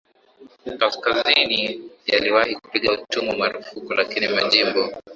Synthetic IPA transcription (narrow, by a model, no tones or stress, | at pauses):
kaskazinija̰liwahiku̥piɠautumumaɾufukulakinimaʄimbɔ